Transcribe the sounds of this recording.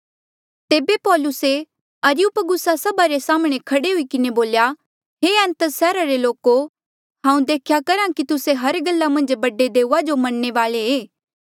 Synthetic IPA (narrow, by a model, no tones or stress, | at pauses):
t̪eːbepɔːlʊse | ɐɾɪjupɡʊsasɐbaɾesaːmɽ̃ekʰɐɽeɦʊikɪneboːlja | ɦeːɛ̃ːnt̪əsɛːɾaɾeloːko | ɦãːũd̪eːkʰjakɐɾãkit̪ʊseɦɐɾɡɐlːamɐ̃nd͡ʒbɐɖːed̪eːuːad͡ʒomɐnːeʋaːleeː